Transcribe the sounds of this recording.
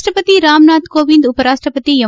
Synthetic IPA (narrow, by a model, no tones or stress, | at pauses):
ʈɾɐpɐt̪iɾaːmnaːt̪koːʋind̪upɐɾaːʂʈɾɐpɐt̪ijɐ